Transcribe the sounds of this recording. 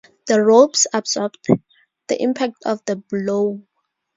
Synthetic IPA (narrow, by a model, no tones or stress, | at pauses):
ð̥əɹobsabsɔbt | ð̥ə̰ʔĩmpʰak̚tʰɔfðəblo